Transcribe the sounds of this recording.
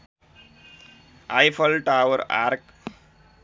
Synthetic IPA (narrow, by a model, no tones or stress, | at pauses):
ajpʰəlʈawəɾa̰ɾk